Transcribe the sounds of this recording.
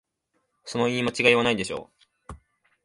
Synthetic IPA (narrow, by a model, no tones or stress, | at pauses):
so̞no̞iːmat͡ɕiɡaianaid̪e̞ɕo̞̰ː